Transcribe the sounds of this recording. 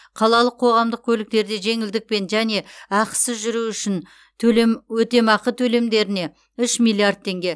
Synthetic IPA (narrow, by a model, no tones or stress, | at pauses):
qʰɑlˠɑlˠəqʰo̞ʁɑmd̪əq̚kʲʰɵlɪk̚t̪e̞ɾd̪e̞ʒe̞ŋɪld̪ɪk̚pe̞nʒæne̞ɑqsɪzʒʏɾuʏʃɪnʰ | ɵlmwɵt̪e̞mɑqət̪ʰɵle̞md̪e̞ɾɪne̞ | ʏʃmilˠiard̪̚t̪ʰːe̞ŋɡʲe̞